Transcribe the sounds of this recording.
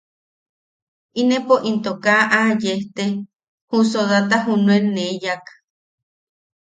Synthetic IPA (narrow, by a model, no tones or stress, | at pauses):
inepoʔint̪okaʔajeht̪e | husoðat̪aɦunuenejak